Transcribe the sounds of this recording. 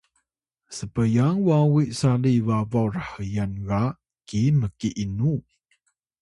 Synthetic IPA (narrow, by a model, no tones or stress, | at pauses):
səbəjaŋwawiʔsaliwawɔrahəjanɣa | kiməkiʔinu